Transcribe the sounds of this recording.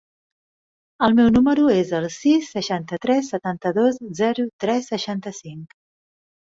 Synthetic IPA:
əlˠmɛwnuməɾuezəlˠsisːəʃant̪ət̪ɾɛsːət̪ant̪əðozzɛɾut̪ɾɛsːəʃant̪əsiŋk

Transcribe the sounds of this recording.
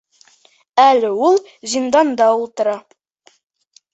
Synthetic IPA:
ælɘulˠ | zind̪ɑnd̪ɑulˠt̪ɤ̆ɾɑ

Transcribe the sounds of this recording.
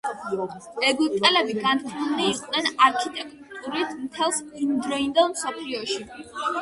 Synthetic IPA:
ɛɡup̚t̪ʼɛlɛbiɡant̪ʰilˠniːqʼnɛnaɾkʰit̪ʼɛkʼt̪ʼuɾit̪ʰmt̪ʰɛlˠsind̪ɾɔind̪ɛlˠmsɔpʰliɔʃi

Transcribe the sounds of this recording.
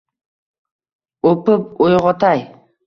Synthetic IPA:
opɯp̚ojʁɑt̪ɑj

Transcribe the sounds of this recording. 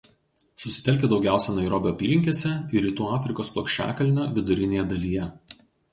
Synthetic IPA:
sʊsʲɪ̥t̪ʲɛlʲkʲeːd̪ɒʊɡʲæˑʊsʲɛnɐɪɾoːbʲoːɐpʲiːlʲɪŋʲkʲeːsʲɛiɾʲiːt̪uːɑːfʲɾʲɪkoːsplˠoɔːkʃʲt͡ʃʲæ̰ːkɐlʲnʲoːʋʲɪd̪ʊɾʲɪnʲeːjɛd̪ɐlʲiːjɛ

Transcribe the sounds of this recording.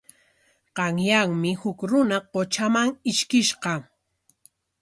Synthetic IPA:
ɢɑŋjaŋmɪhʊkɾʊnaqot͡ʃamaŋɪʃkɪʃqɑ

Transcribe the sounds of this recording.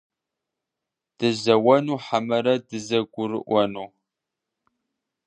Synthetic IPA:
d̥ɨzɐwɐnuːħamɐɾɐdɨzɐɡʷʊɾɨ̰ʔʷɔnuː

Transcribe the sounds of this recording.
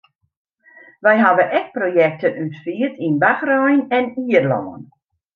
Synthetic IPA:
ʋɛjɦaʋəʔɛk̚projɛk̚tənytfiətinbaxrɔjnɛniərlɔ̰ːən

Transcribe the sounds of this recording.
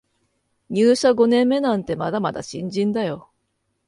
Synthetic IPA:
ɲʲɨːɕaɡo̞nẽ̞mːe̞nãnt̪e̞mad̪amad̪a̰ɕḭ̃ɲ̟d͡ʑĩnd̪ajo̞

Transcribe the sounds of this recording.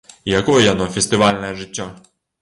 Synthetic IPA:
ijakɔjɛjanɔfʲɛsʲt̪ɨvalʲnɛʐɨtʲːɔ

